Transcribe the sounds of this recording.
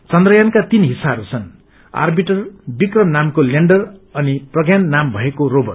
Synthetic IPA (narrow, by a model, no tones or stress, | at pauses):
t͡sʌnd̪rʌjankat̪inɦisaɦʌɾut͡sʰʌn | a̰rbiʈʌrbikrʌmnamkoleɳɖʌrʌniprʌɡjanːambʱʌekorobʌr